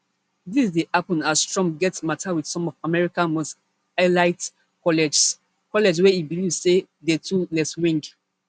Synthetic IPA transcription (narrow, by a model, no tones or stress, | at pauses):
disdehapɔ̃nasstɹɔ̃mɡɛtsmatʰawid̥sɔ̃mɔvamɛɹikãnmost | alaɪt | kɔlɛd͡ʒ | kɔlɛd͡ʒwɛibilivzse | detʰulɛswĩŋk